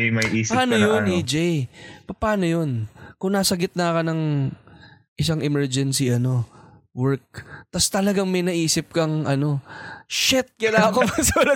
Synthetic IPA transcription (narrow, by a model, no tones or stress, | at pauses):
jmɐjʔiːspaːnojonid͡ʒjpɐpaːno̞jonkʊŋnaːsɐɡɪt̪̚nɐkɐnɐŋ | ʔɪsaŋɛmɛɹd͡ʒɛnsiʔɐno̞wɛɹk̚t̪ɐst̪ɐlɐɡaŋmɐjnɐʔiːsɪp̚kɐŋʔɐno̞ʃɛt̪̚kɐlaɐkomɐsolɐ